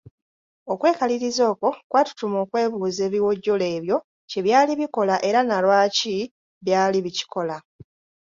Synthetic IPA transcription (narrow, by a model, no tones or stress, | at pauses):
o̞kwe̞ːkaliɾizo̞ːko̞kwatu̥tumo̞ːkwe̞ːβuːze̞ːβiwo̞ɟːole̞ːβjo̞ | ce̞βjaːliβiko̞laʔe̞ɾanalwaːci | βjaːliβici̥kʰo̞la